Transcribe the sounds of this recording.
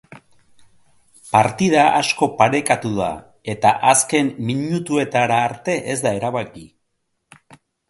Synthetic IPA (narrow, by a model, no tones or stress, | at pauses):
paɾt̪ið̞aa̰sko̞paɾe̞kat̪uða̰ | e̞t̪aʔaske̞mmiɲut̪ue̞t̪aɾaːɾt̪e̞ʔe̞zd̪ae̞ɾaβaki